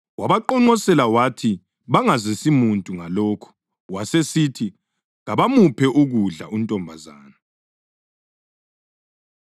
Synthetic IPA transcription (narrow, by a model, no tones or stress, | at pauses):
waβaǃɔŋ͡ǃɔsɛlawatʰi | βaŋazɛsimuntʼuŋalɔːkʰɔ̥ | wasesitʰi | ɣaβamupʰɛʔuɣuɮa̰untʼɔmbʱazaːna